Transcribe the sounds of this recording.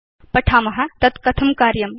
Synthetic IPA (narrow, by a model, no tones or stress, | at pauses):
pɐʈʰaːmɐɦɐt̪ɐt̪kɐt̪ʰɐmkaːɾjɐm